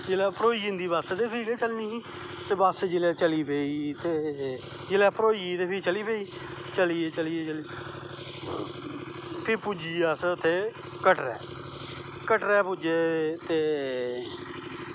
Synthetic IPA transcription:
d͡ʒelɛːpəɾoːiːd͡ʒɪ̃nd̪iːbaːset̪eːpʰiːɡeːt͡ʃəlniːiː | t̪eːbaːsd͡ʒelɛːt͡ʃəliːpeːiːt̪eː | d͡ʒɪlɛːpəɾoːit̪eːpʰit͡ʃəliːpeːiːt͡ʃəlieːt͡ʃəliːet͡ʃəliː | pʰɪɾpud͡ʒiːasət̪ʰːeː | kəʈɾɛ̰ː | kəʈɾɛːpud͡ʒeːt̪eː

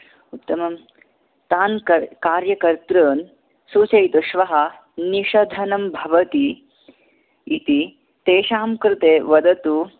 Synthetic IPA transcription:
ut̪ːɐmɐm | t̪aːnkɐkaːɾjɐkɐɾt̪ɾɐːn | suːt͡ʃɐjt̪uʃʋɐɦɐ̆ | niʃɐd̪ʱɐnɐmbʱɐʋɐt̪i | t̪i | t̪eːʃaːmkɾɪt̪eːʋɐd̪ɐt̪u

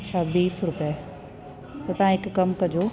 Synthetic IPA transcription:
t͡ɕʰɐbiːsɾʊpja | t̪ɐt̪ɐʋãɦɪkːɐmkɐd͡ʑoː

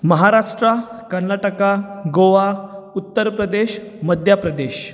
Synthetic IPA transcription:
məɦaɾaʂʈɾakəɾnaʈəkaɡoʋaut̪ːəɾpɾəd̪eɕ | məd̪ʱjapɾəd̪eɕ

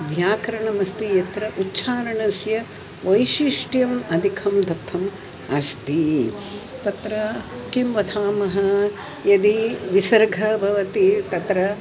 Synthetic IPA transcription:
ʋʱjaːkɾɐɳɐmɐst̪ijɐt̪ɾɐʔutːʃʰaːɾɐɳɐsjɐ | ʋɐjʃiʂʈjɐmɐd̪ʱikʰɐmd̪ʱɐt̪ʰːɐm | ɐʃt̪i | t̪ɐt̪ɾɐkimʋɐd̪ʰaːmɐɦɐ | jɐd̪iʋisɐɾɡʱɐbʱɐʋɐt̪it̪ɐt̪ɾɐ

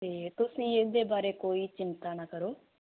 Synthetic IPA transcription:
t̪eːt̪ʊsĩːekd̪eːbaːɾeːkoːiːt͡ʃɪnt̪aːnaːkəɾoː

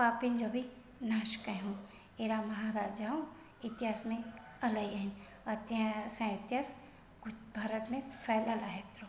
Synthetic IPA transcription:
paːpɪnd͡ʒobʱi | naːʃkãɦũ | eːɾamɐɦaːɾaːd͡ʒaːũ | ɪt̪ɪɦaːsmẽ | ɐlaiaɦɪn | ɐt̪asãɪt̪ɪaːs | ɡbʱaːɾət̪mẽfʰɛːlalaɦet̪ɾo

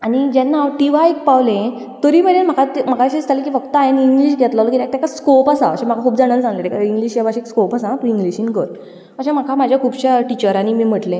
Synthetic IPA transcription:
anid͡ʑɛnːaʋʈiʋaik̚pawlẽ | t̪əɾibəɽenm̤akʰat̪m̤akʰaɕest̪ʰalẽk̬iːfəɡt̪əaɦeniŋɡliːɕɡʱɛt̪lalkit̪ak̚t̪jakaskopasa̰ə̰ɕẽm̤akakʰuːbd͡zaɽ̃ənd͡zãŋɡlẽt̪ekaiŋɡliɕjabaɕiekskopasãt̪ũĩŋɡliɕinɡəɾ | əɕẽm̤akʰamad͡ʑʱjakʰuːbɕaʈit͡ɕəɾanimiːm̤əʈlẽ

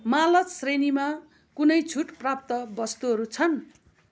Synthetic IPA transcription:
malʌt̪srenima | kunʌjt͡sʰuʈprap̚t̪ʌbʌst̪uɦʌɾut͡sʰʌn

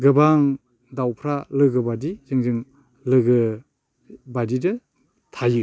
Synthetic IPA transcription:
ɡɯbaŋ | dawpʰɾalɯɡɯbadizɯŋzɯŋ | lɯɡɯ | badidɯ | tʰajɯ

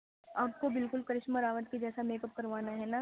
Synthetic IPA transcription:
aːp̚kobɪlkʊlkɐɾɪʃməɾaːʋət̪̚kid͡ʒɛːsameːkəp̚kɐɾʋaːnaɦɛna

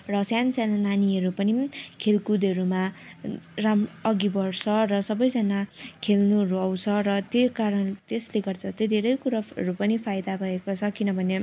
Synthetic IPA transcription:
rʌsjansjanananiʌɾupʌnikʰelkud̪ʌɾuma | ramʌɡibʌrsʰʌrʌsʌbʌjd͡zʌnakʰelnuʌɾuʌw̃t͡sʰʌrʌt̪jekaɾʌnt̪esleɡʌrd̪at̪ed̪ʱeɾʌjkuɾaʌɾupʌnipʰajd̪abʱʌekot͡sʰʌkinʌbʱʌne

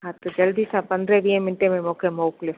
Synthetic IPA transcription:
ɦãt̪od͡ʒɐld̪isãpɐnd̪ɾɛʋiẽmɪnʈemẽmɔːkemoːklɪf

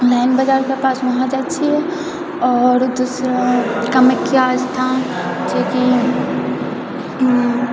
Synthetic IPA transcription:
laɪnbəd͡ʒaːɾkepaːsmɐɦãd͡ʒaːt͡ʃʰiɛ | ɔːɾd̪uːsɾakəmekːiast̪ʰaːn | d͡ʒeki

